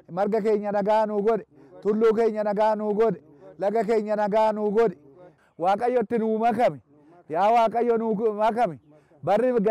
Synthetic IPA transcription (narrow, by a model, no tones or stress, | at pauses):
mɐɾɡɐkeːɲːɐnɐɡaːnuːɡɔd̪ɛ | t̪ʊlːuːke̞ːɲːɐnɐɡaːnuːɡɔd̪ɛ̥ | lɐɡɐke̞ːɲːɐnɐɡaːnuːɡɔd̪ɛ̥ | waːkʼɐjːɔt̪ːɪnuːmɐkɐmɪ | jaːwaːkʼɐjːɔnumɐkɐmɪ | bɐrːɪɡ